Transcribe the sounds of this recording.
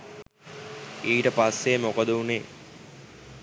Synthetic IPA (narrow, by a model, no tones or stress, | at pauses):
iːʈəpasːemokəd̪əuneː